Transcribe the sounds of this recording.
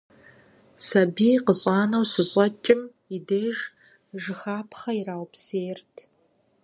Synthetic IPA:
sɐbiːqəɕʼɑːnɐwsɨɕʼɐt͡ʃʼɪm | ideːʒ | ʒɨxaːpʰχɐiraːwpseːrtʰ

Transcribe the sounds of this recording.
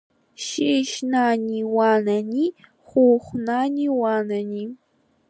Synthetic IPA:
ʃiʃnaɲiwanaɲi | χuχʷnaɲiwanaɲi

